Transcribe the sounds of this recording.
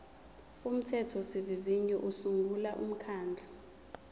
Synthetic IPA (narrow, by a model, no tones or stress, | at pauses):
um̩tʰɛtʰɔsiviviɲɛʔusuŋɡulaʔum̩kʰaːnd͡ɮʱɔ